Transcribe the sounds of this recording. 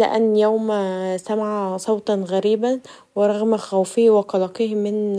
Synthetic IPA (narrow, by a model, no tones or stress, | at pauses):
lɪ̰ʔænːjowmsæmaʕasˤɑwt̪ˤɑnɣæɾiːbæn | weɾˤɑɣmxæwfɪhweqɑlɑːqehmɪn